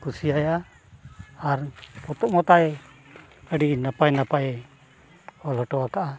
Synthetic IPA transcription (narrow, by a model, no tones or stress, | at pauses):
kusiaja | arput̪uʔmɔt̪ae | aɖinapajnapae | ɔlɔʈɔwakaʔa